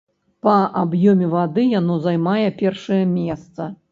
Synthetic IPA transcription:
pɐʔabjɔmʲɛvad̪ɨjanɔzajmajɛpʲɛrʂɐjɐmʲɛst̪sɐ

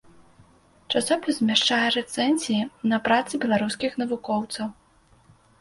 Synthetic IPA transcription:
t͡ʂasɔpʲizzʲmʲaʂt͡ʂajɛɾɛt̪sɛnʲzʲijinɐpɾat̪sɨbʲɛlˠaɾuskʲixn̪ɐvukɔwt̪sɐw

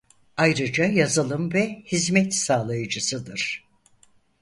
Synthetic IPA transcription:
ajɾɯd͡ʒajazɯlˠɯmvɛhizmɛt̪saːlˠajɯd͡ʒɯsɯd̪ɯɾ̥

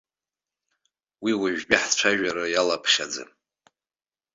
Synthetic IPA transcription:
wiwaʒᶣpʼɪħt͡ʃʷʰaʒᶣaɾɨjalapʰʃad͡zɨ̰

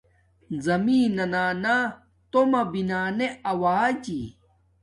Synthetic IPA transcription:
zɐmiːnɐnaːna | t̪omɐbinaːneɐwaːd͡ʑi

